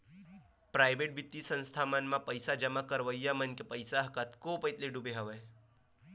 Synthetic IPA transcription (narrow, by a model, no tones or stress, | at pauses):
pɾaːjbeʈ̚bit̪ːisə̃nst̪ʰamənmãpəjsad͡ʒəmakəɾʋəijːamənkepəjsaɦkət̪kopəjt̪leɖubeɦəʋəj